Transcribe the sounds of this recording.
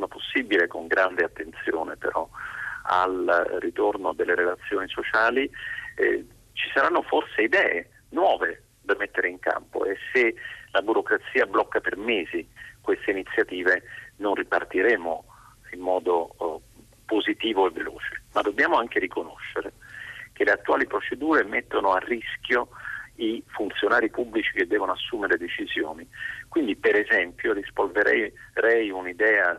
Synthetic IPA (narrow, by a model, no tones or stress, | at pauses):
sonaposːibilekoŋɡɾand̪eat̪ːent̪sjoːnepḛɾɔa̰lrit̪ornod̪elːeɾelat̪sːjoːnisot͡ʃaːli | t͡ʃisaɾanːoforseid̪ɛːḛ | nwɔːve | d̪amːet̪ːeɾeiŋka̰mpo̰eselabuɾokɾat̪sːiːablɔkːapermeːzikwest̪einit̪sːjat̪iːvenonripart̪iɾeːmo | imːɔːd̪o | pozit̪iːvoevːelo̰ːt͡ʃemad̪ːobːjaːmoaŋk̟eɾikono̰ʃːeɾek̟eleat̪ːuaːlipɾot͡ʃed̪uːɾemet̪ːonoarːisk̟joifunt̪sjonaːɾipubːlit͡ʃik̟ed̪ːɛːvonoasːuːmeɾed̪et͡ʃizjo̰ːnikwind̪ipeɾezɛmpjoɾispolveɾʔɛ̰jɾɛjunid̪ɛːa